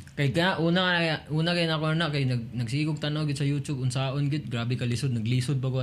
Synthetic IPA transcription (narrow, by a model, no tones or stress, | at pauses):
kajkɐjaʔuːnauːnakajanakoanaʔkajnɐɡ̚nɐɡsiɡʊɡ̚t̪anawɡɪd̪sɐjut͡ʃʊbʊnsaːʔʊnɡɪt̪̚ɡɾaːbɪkalisʊd̪̚nɐɡliːsʊd̪̚pakʊa